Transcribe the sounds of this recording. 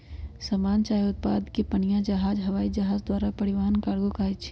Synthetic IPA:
sɐmaːnt͡ʃaːjʊt̪̚paːd̪kepənjãd͡ʒɐɦaːd͡ʒɦɐʋaːid͡ʒɐɦaːd͡ʒd̪waːɾapɐɽɪʋaːənkaːɽɡokaːɪt͡ʃʰ

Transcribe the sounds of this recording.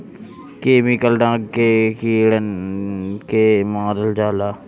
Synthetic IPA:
keːmikəlɖãːɡkekiːɽən | kemãːɾəld͡ʒaːlaː

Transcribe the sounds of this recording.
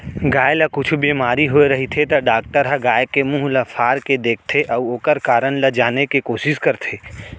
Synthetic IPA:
ɡaːjlɐkʊt͡ʃʰbiːmaːɾiɦoeɾɐɦit̪ʰet̪ɐɖaːk̚ʈəɾɦəɡaːekemũːɦlɐpʰaːɾked̪eːk̚ʰt̪ʰeʔɐʊoːkəɾkaːɾənlɐd͡ʒaːnekikoːʃɪskəɾt̪ʰeː

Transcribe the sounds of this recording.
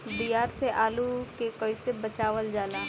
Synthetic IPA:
biːjaːɾseʔaːlukekoisebət͡ʃaːʋəld͡ʒaːlaː

